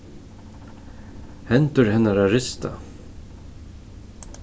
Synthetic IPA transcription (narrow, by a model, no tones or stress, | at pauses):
hɛnt̪əɾhɛnːaɾaɾɪst̪ʰa̰